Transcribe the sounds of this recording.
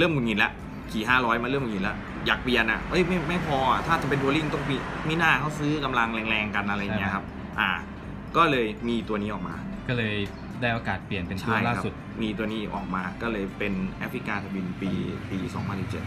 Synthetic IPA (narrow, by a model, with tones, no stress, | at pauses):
lɯː˥˩mkʰu˨˩nŋi˨˩nlɛ˦˥ʔ | kʰiː˨˩ɦaː˥˩ɾɔː˦˥jmaː˧lɤ˥˩˨mku˧˩ŋi˨˩lɛ̰˦˥ | jaː˨˩k̚pi˧˩ənʔa̰˨˩ʔɤ˦˥jma˥˩jma˥˩jpʰɔː˧a˨˩t̪ʰaː˥˩t͡ɕ̪a˨˩pe˧nt̪̬u˧ɐli˥˩ŋt̪ɔ˥˩ŋmiː˧˩miː˦˥˩naː˥˩kʰa˥˩wsɯː˦˥ka˧mla˧ŋlɛː˧ŋlɛː˧ŋka˧nʔa˧ɾa˧jːkʰa˦˥p̚ | ʔaː˨˩ | kɔː˥˩lɤː˧jmiː˧t̪u˧ɐniː˦˥ʔɔː˨˩k̚ma̰ː˧ | kɔː˥˩lɤː˧j | daː˥˩jʔa˧kaː˨˩t̪̚pli˨˩ənpe˧nt͡ɕʰa˥˩jklaː˥kʰa˦su˨˩t̪̚ | miː˧t̪̬u˧niː˦˥˩ʔɔ̰ː˨˩k̚maː˧kɔː˥˩lɤː˧jpe˧nʔɛ̰˦˥fʰɾi˦˥kaː˧t̪ʰa˧bi˧npiː˧piː˧sɔ̰ː˩˦ŋpʰa˧nsi˨˩p̚t͡ɕḛ˨˩